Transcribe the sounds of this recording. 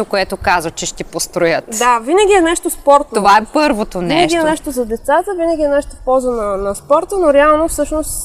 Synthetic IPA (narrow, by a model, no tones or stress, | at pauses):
okoɛt̪okazvət͡ʃɛʃt̪ɛpost̪ɾojət̪d̪avinəɡʲiɛnɛʃt̪ospɔɾt̪nt̪ovaɛpɤɾvot̪oniɛnʃɡiɛnɛʃt̪ozɐd̪ɛt̪sat̪əvinəɡʲiɛnɛʃt̪ofpɔzonɐnɐspɔɾt̪ənoɾɛalˠnofsɤʃnost̪